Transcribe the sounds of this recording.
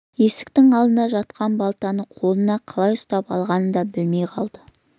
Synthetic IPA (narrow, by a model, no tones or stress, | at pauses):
je̞sɪ̥k̚t̪ɪŋɑlˠd̪ənd̪ɑʒɑt̪qɑnbɑlˠt̪ɑnəqʰo̞lˠənɑqʰɑlˠɑjʊst̪ɑpɑ̰lˠʁɑnənd̪ɑbɪlme̞jqʰɑlˠd̪̥ə